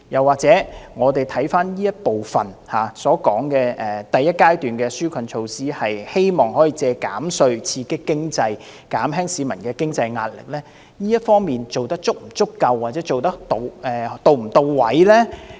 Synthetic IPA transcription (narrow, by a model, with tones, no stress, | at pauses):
jɐ˨˩waː˨k̚t͡sɛː˨˥ŋɔː˨˧t̪e˨˩jt̪ʰɐ˨˥jfaː˥njiː˥jɐ˥t̚po˨wfɐ˨˩nhaː˨˩sɔː˨˥kɔː˨˥ŋkɛː˧ʔɛː˨t̪ɐ˨jːɐ˥t̚kaː˥jt̪yː˨nkɛː˧syː˥kʷʰɐ˨˧nt͡ʃʰo˧wsiː˥hɐ˨jhe˥jmɔː˨ŋhɔː˨˥jiː˨˧t͡sɛː˧kaː˨˥msɵ˧ɥt͡sʰiː˧kɪ˥kːɪ˥ŋt͡sɐ˧j | kaː˨˥mɦɛː˥ŋsiː˨˧mɐ˨˩nkɛː˧kɪ˥ŋt͡sɐ˧jŋa̰ː˧˨t̚lɪ̰˨k̚lɛː˥ | jiː˥jɐ˥t̚fɔː˥ŋmiː˨nt͡so˨wt̪ɐ˥k̚t͡sʊ˥k̚m̩˨˩t͡sʊ˥kːɐ˧wːaː˨˩t͡sɛː˨˥t͡so˨wt̪ɐ˥k̚t̪o˨˧wɛː˨˩t̪o˧wm̩˨˩t̪o˧wwɐ˨˥jlɛː˥